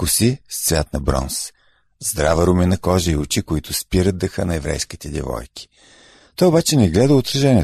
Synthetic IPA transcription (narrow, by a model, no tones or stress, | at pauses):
kʊsist̪svʲat̪nɐbɾɔ̰ns | zd̪ɾavɐɾʊminɐkɔʒəiʊt͡ʃikʊit̪ʰʊspiɾəd̪̚d̪əxənɐɛvɾɛ̰jsk̟it̪ɛd̪ʲɛ̰vɔ̰jkʲi̥ | t̪ɔjʊbat͡ʃɛnɛɡlɛd̪əʊt̪ɾɐʒɛnɛ